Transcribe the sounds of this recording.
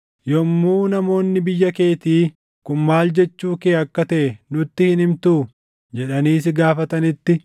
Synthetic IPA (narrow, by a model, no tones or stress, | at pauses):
jɔmːuːnɐmo̞ːnːɪbɪjːɐke̞ːt̪iː | kʊnmaːld͡ʒɛt͡ʃːuːkeːɐkːɐt̪ɐʔɛnʊt̪ːɪhɪnɪmt̪uː | d͡ʒɛᶑɐniːsɪɡaːfɐt̪ɐnɪt̪ːɪ